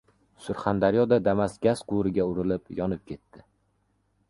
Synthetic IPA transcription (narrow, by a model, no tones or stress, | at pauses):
sʊɾχand̪aɾjɒd̪ad̪amasɡʲasqʰʊɾɪɡʲaʊɾɪlɪpjɒnɪp̚kʲʰe̞t̪ʰːɪ